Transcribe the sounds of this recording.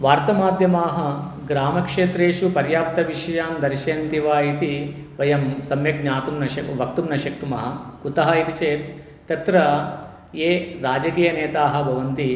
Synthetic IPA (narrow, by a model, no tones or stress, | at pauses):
ʋaːɾt̪ɐmaːd̪ʱjɐmaːɦɐ | ɡɾaːmɐkʂeːt̪ɾeːʃupɐɾjaːp̚t̪ɐʋiʂɐjaːmd̪ɐɾʃeːnt̪iʋaːit̪iʋɐjɐmsɐmjɐknaːt̪umnɐʃɐʋɐk̚t̪umnɐʃɐk̚t̪umɐɐkut̪ɐɦɐit̪it͡ʃeːt̪ː | ɐt̪ɾɐ | eːɾaːd͡ʒɐkiːjɐneːt̪aːɦɐ̆bʱɐʋɐnt̪i